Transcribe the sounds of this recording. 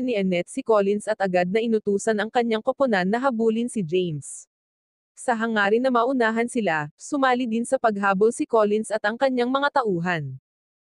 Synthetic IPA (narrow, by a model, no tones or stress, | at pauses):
niʔɛnɛt̪̚sɪkolɪnsɐt̪ɐɡad̪̚nɐʔɪnʊt̪uːsɐnɐŋkɐɲːaŋkopʊnanːɐɦɐbuːlɪnsɪd͡ʒɛjns | sɐɦɐŋaːɾɪnɐmaʔʊnaːɦɐnsɪlasʊmaːlɪd̪ɪnsɐpɐɡ̚ɦaːbolsɪkolɪnsɐt̪ɐŋkɐɲːaŋmɐŋat̪ɐʔuːɦɐn